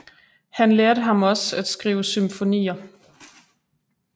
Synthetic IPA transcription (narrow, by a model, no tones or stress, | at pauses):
hænleːɐɾəɦɑ̈mɒ̽sæd̥sɡ̥ʁiːʊəsymfo̝nḭːɐ